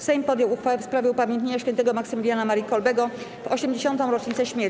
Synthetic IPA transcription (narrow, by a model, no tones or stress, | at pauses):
fsɛjmpɔd̪jɔwuxfawɛfspɾavjɛupamʲjɛnt̪̬ɲeɲaʂkʲɛnt̪ɛɡɔmaksɨmʲilʲjanamaɾikɔlbɛɡɔ | vɔɕɛmd͡ʑeɕɔnt̪ɔ̃w̃ɾɔt͡ʂɲit̪sɛɕmʲjɛɾ